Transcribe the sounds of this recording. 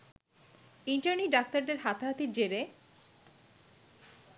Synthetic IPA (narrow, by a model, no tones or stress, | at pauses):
iɳʈaɾniɖak̚t̪aɾd̪eɾɦat̪aɦat̪iɾd͡ʑeɾe